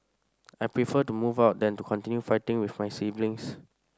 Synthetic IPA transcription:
ajpɹifətumuvaʊt̚dɛ̃ntukʰɔ̃ntĩnjufaɪtɪ̃ŋwifmajsivlɪ̃ŋs

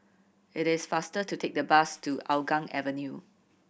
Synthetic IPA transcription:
ɪɾɪsfastətutʰek̚dəbastuaʊɡãŋɛ̰vənju

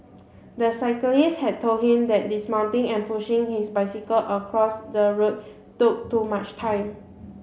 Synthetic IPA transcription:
dəsaɪkəlishɛd̚tʰold̚hĩmdɛt̚dismãʊ̃ntɪ̃ŋɛ̃npuʃɪ̃ŋhisbaɪsikəlʔəkʰɹɔsdəɹot̚ | tuk̚tumat͡ʃtʰãɪ̃m

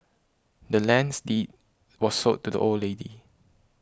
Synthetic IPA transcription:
dəlɛ̃nsdit̚ | wɔssotʰːudə̰ʔolledḭ

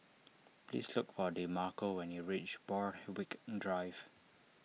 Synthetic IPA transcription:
plḭslʊkfɔdemakowɛ̃njiɹit͡ʃbɔɹwikdɹajv̥

